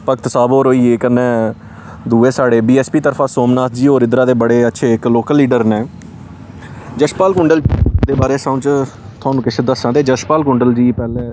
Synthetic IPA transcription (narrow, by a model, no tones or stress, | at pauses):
pəkt̪saːboːɾoːiːeːkənːẽː | d̪uːeːsaːɽeːbiːɛːspiːt̪əɾfʰãːsoːmnaːt̪ʰd͡ʒiːoːɾɪnd̪ɾaːd̪eːbəɽeːətːʃʰeːɪkloːkəlːiːɖəɾnẽː | d͡ʒəʃpaːlkʊ̃ɳɖəld̪eːbaːɾeːsə̃ːt͡ʃ | t̪ʰʊaːnũːkɪt͡ʃʰed̪əsãːd̪eːd͡ʒəʃpaːlkʊ̃ɳɖəld͡ʒiːpɛːleː